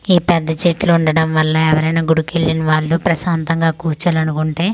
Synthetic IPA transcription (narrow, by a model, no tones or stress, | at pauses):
iːpɛd̪ːɐt͡ʃeʈluuɳɖɐɽɐmʋɐlːɐɛʋɐɾɐjnaːɡuɽuke̞ɭːinɐʋaːɭːupɾɐʃaːnt̪ɐŋɡaːkuːt͡ʃaːlɐnukuɳʈe̞ː